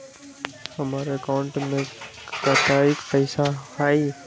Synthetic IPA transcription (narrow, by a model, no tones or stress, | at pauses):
həmaːɾeəkaʊɳʈmẽkət̪aːɪkpəɪsaɦaːiː